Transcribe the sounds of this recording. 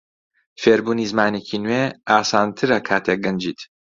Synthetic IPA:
feːɾbuːniːzmaːneːcʰinweːaːsaːnt̪ʰɨɾɐkʰaːt̪ʰeɡɐnd͡ʒiːt̪

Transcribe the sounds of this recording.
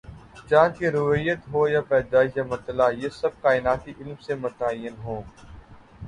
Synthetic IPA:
t͡ʃãːkeɾʊʋijət̪ɦoːjapɛːd̪aːɪʃjamɐɾt̪əlaːjeːsɐb̚kaːɪnaːt̪iʔɪlmsemʊt̪aːjənɦõː

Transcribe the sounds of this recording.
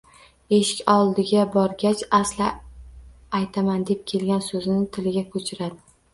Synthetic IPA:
e̞ʃɪ̥kʲɒlˠd̪ɪɡʲabɒɾɡʲat͡ʃaslɪ | ajt̪ʰamand̪e̞p̚kʲʰe̞lɡʲansɵzɪnɪt̪ʰɪlɪɡʲakʰɵt͡ʃʰɪɾad̪ɪ

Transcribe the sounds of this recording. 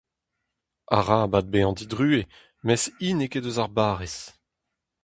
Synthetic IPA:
a̰ʁabad̪̚beɑ̃d̪id̪ʁyːe | mɛsiːnekedøzaʁbaːʁes

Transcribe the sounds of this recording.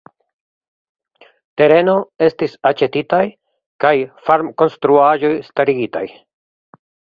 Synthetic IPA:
te̞ɾe̞no̞e̞stisat͡ʃe̞titaj | kajfaɾmko̞nstɾuaʒo̞jstaɾiɡita̰j

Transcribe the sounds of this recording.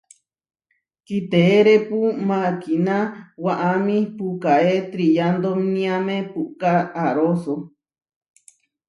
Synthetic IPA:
kit̪eːɾepumãkinãwaʔamĩpukaet̪ɾijand̪omnĩamẽpuʔkaːɾoso

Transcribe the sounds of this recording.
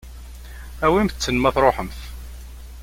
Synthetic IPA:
æwimθət͡sːənmæθɾˤoħəmθ

